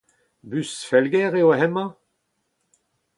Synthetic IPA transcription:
bysfɛlɡɛʁeoaɦɛmɑ̃

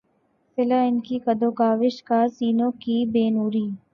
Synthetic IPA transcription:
pɪlaɪnkikɐd̪oːkaːʋɪʃkasiːnõːkibeːnuːɾiː

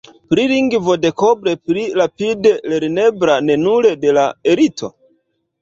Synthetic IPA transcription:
pɾiliŋɡvo̞de̞kobɾe̞pɾiɾapide̞le̞ɾne̞bɾane̞nuɾe̞de̞laeɾito̞̰

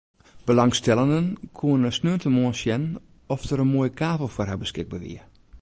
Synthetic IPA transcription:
b̥əlɑŋstɛlˠəndənkʰuənnəsnøəntəmoənsjɛnn | ɔfdəɾənmoːjəkʰaːvəlˠfɔrɦabəskɪɡ̚baʋḭə

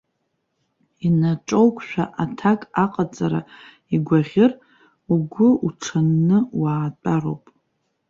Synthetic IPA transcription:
inaʈ͡ʂʼowkʷʰʼʃᶣaʔatʰakʼaqʼat͡sʼaɾa | iɡʷaʁʲɪr | uɡʷʊuʈ͡ʂʰanːɨwaːt͡pʼaɾo̰wpʼ

